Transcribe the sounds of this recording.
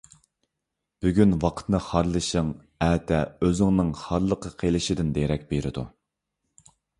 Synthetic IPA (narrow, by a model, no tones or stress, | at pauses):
b̥yɡʲynwɑqʰə̥t̪nɨχɑɾlˠɨʃəŋ | ɛːt̪ʰɛøzɪŋnɨŋχɑɾlˠəqʰəqʰelˠɪʃɪd̪ɪnd̪eɾɛk̚ʲbeɾɪd̪ṵ